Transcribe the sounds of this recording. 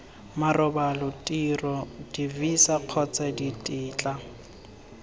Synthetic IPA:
marɔbalɔtʼirɔdivisaq͡χʰɔt͡sʰʼaditʼɪːt͡ɬʼa

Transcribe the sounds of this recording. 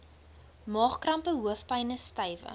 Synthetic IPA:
mɑːχkrɐmpəɦuəfpɐjnəstɐjvə̰

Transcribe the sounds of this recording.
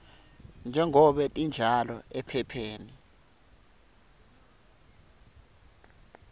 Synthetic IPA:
nd͡ʒʱɛŋʱɔɓɛtʼind͡ʒʱalɔ̰ɛpʰɛpʰeːni

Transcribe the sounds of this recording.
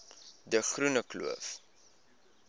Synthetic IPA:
dəχrunəklṵəf

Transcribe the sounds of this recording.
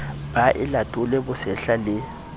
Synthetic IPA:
baʔɪlatʼʊlɛbʊsɛɬalɪ

